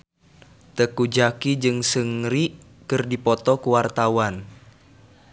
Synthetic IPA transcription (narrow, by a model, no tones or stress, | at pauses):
t̪əkud͡ʒakid͡ʒɨŋsəŋɾiʔ | kɨrdipɔt̪ɔkuwart̪awan